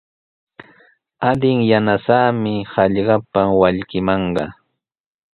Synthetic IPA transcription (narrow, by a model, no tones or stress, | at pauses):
ad̪ɪŋjanasaːmɪhɑʎɢɑpawaʎkɪmɑɴɢɑ̰